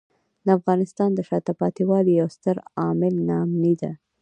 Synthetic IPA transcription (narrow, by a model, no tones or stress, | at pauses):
d̪əafɣɑnɪst̪ɑnd̪əʃɑt̪apɑt̪iwɑlijawst̪əɾɑmɪlnɑmnid̪a̰